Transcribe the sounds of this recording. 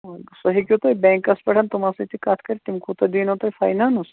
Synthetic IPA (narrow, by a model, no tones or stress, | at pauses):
sɐɦikʲut̪ɐjbeːŋkɐspʲɐʈʰɐnt̪umasɐt̪ikaːt̪ʰkɐɾʲit̪imkut̪ɐd̪iːnɐt̪ɐjfa̰ːjnaːnus